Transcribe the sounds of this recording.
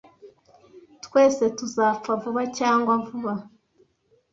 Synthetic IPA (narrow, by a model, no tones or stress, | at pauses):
tweːsetuzap̪p͡favuβacaːŋɡwavuβa